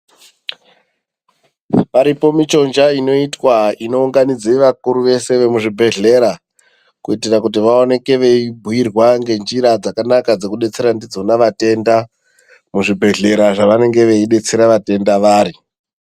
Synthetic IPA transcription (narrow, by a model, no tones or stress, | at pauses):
paɾipo̞mit͡ʃo̞nd͡ʒaino̞itwaino̞uŋɡanid͡zeʋakuɾuʋe̞se̞ʋe̞muʐibʱe̞ɮe̞ɾa | kuitirakut̬iʋao̞ne̞ke̞ʋe̞ibʱuwirwaŋɡe̞nd͡ʒiɾad͡zakanakad͡ze̞kuɗe̞t͡se̞ɾandid͡zo̞naʋate̞nda | muʐibʱe̞ɮe̞ɾaʐaʋane̞ŋɡe̞ʋe̞iɗe̞t͡se̞ɾaʋate̞ndaʋaːɾi